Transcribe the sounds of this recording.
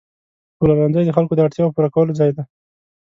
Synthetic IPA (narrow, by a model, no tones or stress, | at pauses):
kulaɾanzəjd̪əxalkod̪əaɽt̪jɑpuɾakawəlod͡zɑjd̪a